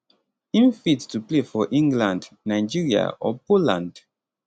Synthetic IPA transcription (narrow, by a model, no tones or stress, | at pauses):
ĩnfittuplefɔʔĩŋɡlãndnaɪd͡ʒiɹia̰ʔɔ̰polã̰nd